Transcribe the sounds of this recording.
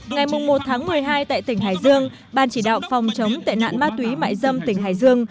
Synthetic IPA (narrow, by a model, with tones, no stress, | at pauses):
ŋa˨˩jmʊ˨˩ŋ͡mmo˨˩t̚t̪ʰaː˨˦ŋmɨ˨˩əjɦaː˧jt̪a̰ː˧˨jt̪ï˧˩ŋ̟ɦaː˧˩jzɨ˧əŋ | ɓaː˨˩nt͡ɕi˧˩ɗa̰ː˧˨wfɔ˨˩wŋ͡mt͡ɕə˨˦wmt̪a̰ː˧˨jna̰ː˧˨nmaː˧t̪wi˨˦ma̰ː˧˨jzə˧mt̪ï˧˩ŋ̟ɦaː˧˩jzɨ˧əŋ